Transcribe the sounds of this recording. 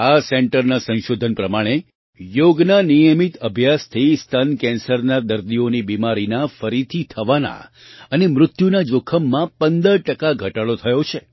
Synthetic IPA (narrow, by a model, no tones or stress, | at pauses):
asɛɳʈəɾnasə̃nʃod̪ʱənpɾəmaɽ̃e | joɡnanijəmit̪əbʱjast̪ʰist̪ʰənkɛ̃nsəɾnad̪əɾd̪ionibimaɾinafəɾit̪ʰit̪ʰəʋana̰ | ənemɾʊt̪junad͡ʒokʰəmːãpənd̪əɾʈəkaɡʱəʈaɭot̪ʰəjot͡ʃʰe